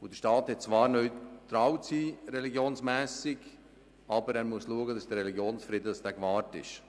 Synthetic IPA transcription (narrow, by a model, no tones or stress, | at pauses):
ʊd̥əʃtɑːt̪hɛt̚t͡sʋɑːɾnœʏt̪ɾawt͡siːɾɛliɡjoːnsmɛːsɪɡ | ɑbəɾæːɾmuəsluəɡədɑsd̥əɾɛliɡjoːnsfɾɪd̪əd̪ɑsd̥æːkvɑːɾtɪ̰ʃ